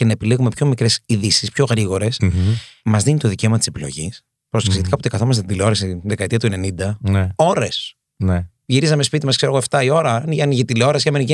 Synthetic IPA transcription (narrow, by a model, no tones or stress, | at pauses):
ce̞nɐepileɣume̞pço̞mikɾesiðisispço̞ɣɾiɣo̞ɾe̞smɐzðinit̪o̞ðice̞o̞mɐt̪i̥se̞pilo̞̰ʝis | pɾost̪kset̪ikɐpot̪i̥kɐθomɐs̬t̪id̪ileo̞ɾɐsiðekɐet̪iɐt̪uene̞nind̪ɐneo̞ɾe̞s | ne | ʝiɾisɐme̞spit̪imɐskseoɣoe̞ft̪ɐio̞ɾɐnʝɐniʝet̪ileo̞ɾɐsçɐmenice